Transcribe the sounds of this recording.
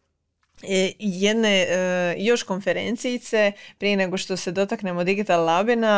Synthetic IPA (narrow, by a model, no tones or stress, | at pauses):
jed̪nejo̞ʃko̞nfe̞ɾent̪sijːt̪sepɾije̞ne̞ɡo̞ʃt̪o̞se̞d̪o̞t̪akne̞mod̪iɡit̪allabina